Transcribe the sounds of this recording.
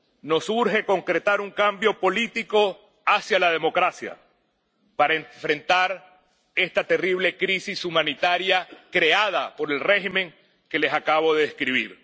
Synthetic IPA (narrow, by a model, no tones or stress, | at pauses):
no̞suɾxe̞ko̞ŋkɾet̪aɾuŋkambjo̞po̞lit̪iko̞ | asjalað̞e̞mo̞kɾasja̰ | paɾaeɱfɾe̞nt̪aɾ | e̞st̪at̪e̞riβle̞kɾisisumãnit̪aɾjakɾe̞að̞apo̞ɾe̞lre̞ximẽ̞ŋ | ke̞le̞sakaβo̞ðe̞ðeskɾiβ̞iɾ